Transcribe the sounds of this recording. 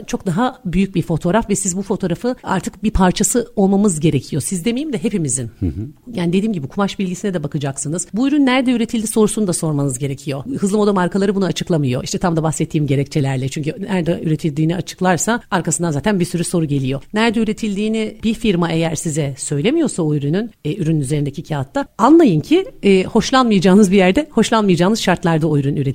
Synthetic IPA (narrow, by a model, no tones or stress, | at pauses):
t͡ʃʰo̞k̚d̪aɦabyjyc̚biɾfo̞t̪ʰoɾafvɛsizbufo̞t̪ʰo̞ɾafɯa̰ɾt̪ʰɯkbipʰaɾt͡ʃʰasɯo̞lˠmamɯzɟe̞ɾecʰijo̞sizd̪e̞mejimd̪ɛɦe̞pimizinjaːnid̪iːmɟibikʰumaʃbilʲɟisinɛd̪ɛbakʰɯd͡ʒaksɯnɯzbuyɾynːæɾd̪ɛyɾe̞t̪ʰilʲd̪iso̞ɾusunud̪aso̞ɾmanɯzɟe̞ɾe̞cʰijo̞hɯzˠɯmo̞d̪amaɾkalˠaɾɯbunuat͡ʃʰɯklˠamɯjo̞̰ʔiʃt̪ʰɛt̪amd̪abaxsɛt̪ʰːiːimɟe̞ɾɛct͡ʃʰe̞lʲæɾlʲɛt͡ʃʰyɲcynæɾd̪ɛʔyɾet̪ʰilʲd̪iːniat͡ʃʰɯ̥klˠaɾsaaɾkʰasɯnanzaːt̪ʰænbiɾsyɾyso̞ɾuɟe̞lʲijo̞næɾd̪ɛyɾe̞t̪ʰilʲd̪iːnibifiɾmaʔe̞jæɾsizɛsø̞jlʲe̞mijo̞saojyɾynynɛːyɾynynyze̞ɾind̪ecʰicʰaat̪ʰːaanlˠajɯncʰiɛːho̞ʃlˠanmɯjad͡ʒaːnɯzbijæɾd̪ɛho̞ʃlˠanmɯjad͡ʒaːnɯz̥ʃaɾt̪lˠaɾd̪aojɾynyɾe